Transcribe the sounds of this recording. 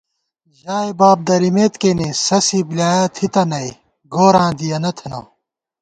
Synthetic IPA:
ʑaːjbaːb̚d̪ɐɾimeːt̪keːnesɐsiblaːjɐt̪ʰit̪ɐnɐj | ɡoːɾãːd̪ijɐnɐt̪ʰɐnɐ̰ː

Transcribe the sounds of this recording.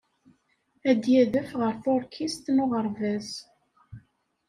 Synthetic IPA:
æd̪jæðəfʁəɾθʊɾkʰist̪noʁəɾvæz

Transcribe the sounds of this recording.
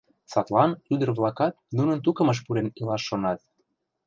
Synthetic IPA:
sɑt̪lɑnyd̪ə̆rβlɑkɑt̪̚nunə̆nt̪̬ukə̆mə̆ʃ̬puɾenilɑʃːonɑt̪̚

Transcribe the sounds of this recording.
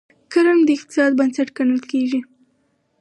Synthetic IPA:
kəɾamd̪əɪq̚t̪ɪ̥sɑd̪̚bansaʈkanəlkeʒi

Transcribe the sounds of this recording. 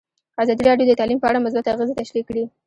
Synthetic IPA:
azɑd̪iɾɑɖjod̪ət̪ɑlimpəaɽamʊs̬bat̪aɣəzet̪aʃɾikːɽi

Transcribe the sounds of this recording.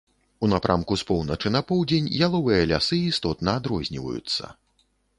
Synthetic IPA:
unapɾʔamkuspɔwnɐt͡ʂɨnɐpɔwd͡zʲenʲjalˠɔvɨjɐlʲasɨist̪ɔt̪nɐːd̪ɾɔzʲnʲḭvɐ̰jṵt̪sːɐ̰

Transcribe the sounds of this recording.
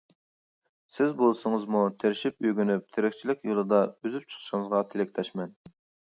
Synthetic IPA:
sɪzbolˠsɨŋəzmut̪ʰeɾɪʃipyjɡʲynyp̚t̪ʰeɾɪkʲt͡ʃʰilɪkʲjolˠɨd̪ɑøzyp̚t͡ʃʰə̥χʰʃɪŋəzʁɑt̪ʰelɪkʲlʰɛʃmɛn

